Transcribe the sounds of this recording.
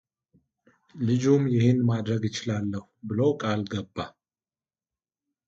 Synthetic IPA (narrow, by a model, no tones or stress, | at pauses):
lɨd͡ʒumjɪhɪnːmad̪ɾəɡjɪt͡ʃɪlalːəhubɨlowkʼalɡəbːa